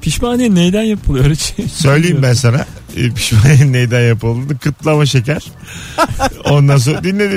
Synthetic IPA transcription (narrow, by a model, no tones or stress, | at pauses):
pʰiʃmaːnenejd̪ænjapʰɯlˠɯjoɾet͡ʃʰisø̞jlʲejiimbæns̬ana̰ | pʰi̥ʃmanenejd̪ænjapɯlˠd̪ɯɯkʰɯt̪lˠamaʃe̞cæɾ̥ | o̞nd̪ans̬od̪inlːʲe̞d̪i